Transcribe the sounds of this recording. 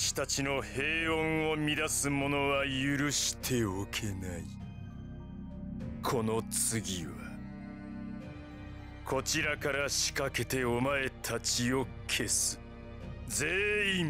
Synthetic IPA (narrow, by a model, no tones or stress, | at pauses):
ɕi̥t̪at͡ɕino̞he̞ːõɰ̃o̞mʲid̪asɨmo̞no̞βajɯɾɯ̟ɕi̥t̪ʰe̞okʰe̞nai | kʰo̞no̞t͡sɨɡʲiβa | kʰo̞t͡ɕiɾakaɾaɕi̥kake̞t̪e̞omae̞t̪ʰat͡ɕio̞kʰe̞sɨ̥ | d͡zeːĩ